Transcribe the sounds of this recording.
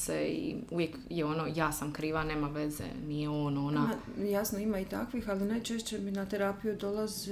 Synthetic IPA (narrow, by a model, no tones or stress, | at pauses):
seḭuʋjekjeonojaːsamkɾiːʋane̞ːmaʋezḛnijeoːnona | jasnoimait̪a̰kʋixalinajt͡ʃeʃt͡ɕe̞minat̪eɾaːpijud̪o̞lˠazi